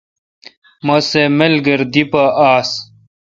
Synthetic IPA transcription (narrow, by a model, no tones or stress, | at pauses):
mɐsemelɡɐɾd̪ipɐʔaːs